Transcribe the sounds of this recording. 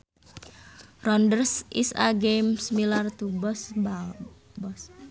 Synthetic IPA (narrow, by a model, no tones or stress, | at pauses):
rɔndərsḭsa̰ɡemsmilart̪ubɔsba | bɔs